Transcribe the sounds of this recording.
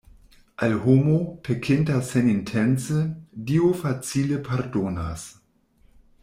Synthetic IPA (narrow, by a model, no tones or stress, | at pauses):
ʔalhomopʰekʰɪntasenintʰent͡sediofat͡silepʰaɾdona̰s